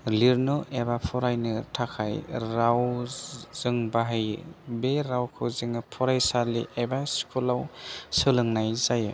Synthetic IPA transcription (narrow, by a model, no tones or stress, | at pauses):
liɾnɯʔebapʰɔɾajnɯtʰakʰajɾaw | z̥ɯŋbaɦɯjbeɾawkʰɯwzɯŋɯpʰɔɾajsalḭʔebaskʰulawsɯlɯŋnajzajɯ